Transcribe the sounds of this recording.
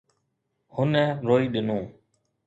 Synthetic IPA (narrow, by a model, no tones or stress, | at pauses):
hʊnɛ̃ːɾoːiːɗɪnõː